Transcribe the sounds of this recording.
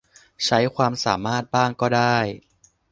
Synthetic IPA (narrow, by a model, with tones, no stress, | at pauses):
t͡ɕʰa˦˥jkʰwaː˧msaː˩˦maː˥˩t̪̚baː˥˩ŋkɔː˥˩daː˥˩j